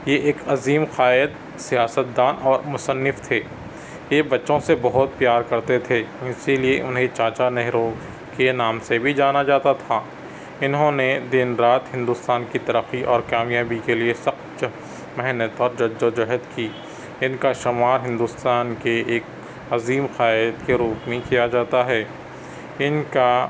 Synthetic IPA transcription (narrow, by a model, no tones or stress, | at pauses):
jeʔeːkɐziːmqaːɪd̪ | sijaːsət̪̚d̪aːnʔɔːɾmʊsənːɪft̪ʰeː | jebɐtːʃõsebɐɦʊt̪̚pjaːɾkɐɾt̪et̪ʰeːɪsilieʔʊnɦet͡ʃaːt͡ʃanɛɦɾõ | kenaːmsebʱid͡ʒaːnad͡ʒaːt̪at̪ʰaː | ɪnɦõned̪ɪnɾaːt̪ɦɪ̃nd̪ʊst̪aːnkit̪ɐɾəxiʔɔːɾkaːmjaːbikeliesɐxt̪d͡ʒ | mɛɦnət̪ɔːɾd͡ʒɐd͡ʒod͡ʒɐɦəd̪kiː | ɪnkaʃʊmaːɾɦɪ̃nd̪ʊst̪aːnkeeːk | ɐziːmxaːjt̪keɾuːpmẽkijad͡ʒaːt̪aɦɛː | ɪnka